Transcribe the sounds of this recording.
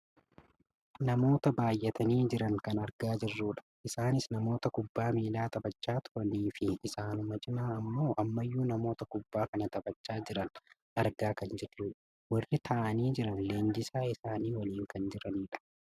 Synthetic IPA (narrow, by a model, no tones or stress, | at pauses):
nɐmo̞ːt̪ɐbaːjːɛt̪ʰɐniːd͡ʒɪɾɐŋkɐnɐɾɡaːd͡ʒɪrːuːᶑɐ̥ʔɪsaːnɪsnɐmo̞ːt̪ɐkʊbːaːmiːlaːt̪ʼɐbɐt͡ʃːaːt̪ʰʊɾɐniːfɪɪsaːnʊmɐd͡ʒɪnaːɐmːo̞ːʔɐmːɐjːuːnɐmo̞ːt̪ɐkʊbːaːkɐnɐt̪ʼɐbɐt͡ʃːaːd͡ʒɪɾɐn | ʔɐɾɡaːkɐnd͡ʒɛrːuːᶑɐ̥ | wɐrːɪt̪ʰɐːʔɐniːd͡ʒɪɾɐnleːnd͡ʒɪsaːɪsaːniːwɐliːŋkɐnd͡ʒɪɾɐniːᶑɐ̥